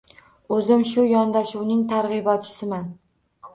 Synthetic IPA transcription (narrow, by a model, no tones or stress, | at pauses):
ɵzɪmʃʊjɒnd̪aʃuwnɪŋt̪ʰaɾʁɨbɒt̪̚t͡ʃʰɪ̥sɪman